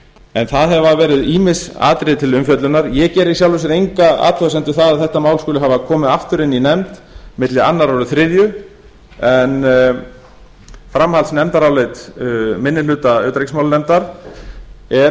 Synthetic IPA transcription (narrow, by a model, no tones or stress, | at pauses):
ɛnθaðɦɛvavɛːɾɪðiːmɪsa̰ːt̪ɾɪt̪ʰɪlʏmfjœt̪lʏnaɾjɛcɛːɾisjawlvɪsɪɾejŋkaa̰ːt̪ʰɔasɛnt̪ʏ̥θaðaðθɛht̪amawlskʏːlɪɦavakʰɔːmɪðaft̪ʏɾɪninɛmt̪mɪt̪lɪa̰nːaɾɔɾʏθɾɪðjʏ | ɛn | fɾamhalsnɛmt̪aɾawlet̪mɪnːɪʏːt̪aœːt̪ɾeksmawlnɛmt̪aɾ̥ | ɛ